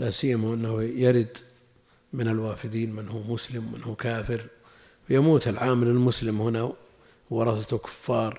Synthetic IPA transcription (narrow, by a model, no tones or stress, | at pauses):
lasijːamaʔɪnːahjaɾɪd̪ | mɪnɪlwaːfɪd̪iːnmɪnhuːmʊslɪmwmɪ̰nhuːkaːfɪɾ | fajamuːt̪ɪlʕaːmɪlɪlmʊslɪmhɪna | wɑɾˤɑsat̪kʊ̥fːɑːɾˤ